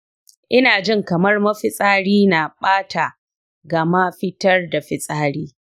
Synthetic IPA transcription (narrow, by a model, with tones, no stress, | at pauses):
ʔɪ˦naː˨d͡ʒɪ˦˨ŋkɐ˨mɐ˦rmɐ˦ɸɪ˦sʼaː˦ɽiː˦na˨ɓaː˦tʰa˨ | ɡɐ˨ma˦ɸɪ˦tɐ˦rda˨ɸɪ˨sʼaː˦ɽiː˦